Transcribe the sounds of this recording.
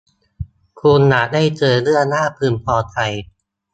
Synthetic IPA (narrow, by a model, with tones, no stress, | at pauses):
kʰuː˧nːaː˨˩daː˥˩jt͡ɕɤː˧lɯ˥˩ɐnaː˥˩pʰɯː˧˩npʰɔː˧t̪ʰa˧j